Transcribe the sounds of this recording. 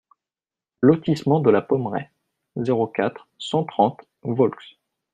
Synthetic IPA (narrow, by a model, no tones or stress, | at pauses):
lɔt̪ismɑ̃d̪əlapɔmʁɛ̰ | zeʁokʲat̪χ | sɑ̃t̪χɑ̃t̪ | vɔlks